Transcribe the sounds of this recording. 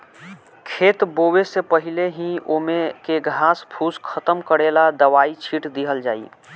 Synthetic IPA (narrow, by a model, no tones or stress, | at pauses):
kʰeːt̪boːwesepəɦɪleɦĩoːmẽkeɡʱaːspʰuːskʰət̪əmkəɽeːlad̪əʋaːit͡ʃʰiːʈd̪iɦəld͡ʒa̰ːḭː